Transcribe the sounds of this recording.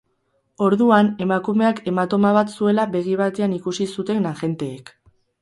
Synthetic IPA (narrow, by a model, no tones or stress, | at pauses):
o̞ɾðuane̞makume̞ake̞mat̪o̞maβat̪sue̞laβe̞ɣ̞iβ̞at̪e̞anikusisut̪e̞nnaxe̞nt̪e̞ːk